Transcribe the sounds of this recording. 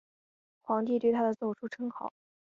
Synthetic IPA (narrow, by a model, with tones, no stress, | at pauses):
xwɑ˧˥ŋt̪i˥˧t̪we˥˩ɪt̪ʰa˥d̪ə˨t͡so˨˩ʊʈ͡ʂʰu˥ʈ͡ʂʰɤ˥ŋkʰɑ˨˦